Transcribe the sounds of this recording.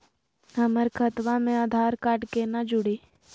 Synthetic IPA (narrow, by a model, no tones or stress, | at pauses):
ɦəməɾkʰət̪ʋamẽaːd̪ʱaːɾkaːʈkenad͡ʒʊɽeː